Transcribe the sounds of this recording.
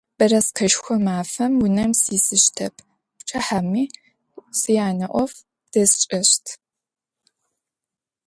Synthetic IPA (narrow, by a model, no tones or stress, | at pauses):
b̥ɐrɐsqʰɐʃxʷɔmaːfɐmwʊnɐmsiːsɨɕtʰɐpʰ | pt͡ʃʰʼɐħamiː | sɨjaːnɐʔʷɔf | d̥ɐst͡ʃʼɐɕtʰ